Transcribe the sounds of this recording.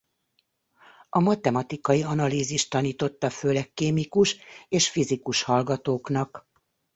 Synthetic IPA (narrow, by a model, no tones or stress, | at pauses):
ɒmɒt̪ɛmɒt̪ikɒjiɒnɒliːziʃtt̪ɒniːt̪o̞t̪ːɒføːlɛkːeːmikuʃeːʃfizikuʃhɒlɡɒt̪oːknɒk